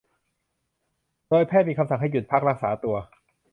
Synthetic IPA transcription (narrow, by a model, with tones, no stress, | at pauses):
doː˧jpʰɛː˥˩miː˧kʰa˧msa˨˩ŋɦa˥˩ju˨˩t̪̚pʰa˦˥k̚ɾa˦˥k̚saː˩˦t̪u˧ɐ